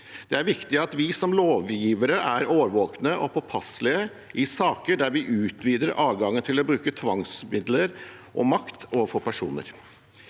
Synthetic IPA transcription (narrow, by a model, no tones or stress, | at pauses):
d̪̥ɛæɾʋɪkt̪ɪɑt̪ʋɪsɔmloːʋjiːʋəɾəʔæɾoːʋəɾʋoːknəʔɔpʰɔpʰɑslɪə | ʔɪsɑːkəɖæɾʋɪʔʉːt̪ʋiːd̪əɾʔɑːʋɡɑŋːənt̪ʰɪlɔbɾʉːkət̪ʰʋɑŋsmɪd̪ləɾ | ʔɔ̰mɑkt̪oːʋəfɔpʰæʂṵːnə̰ɾ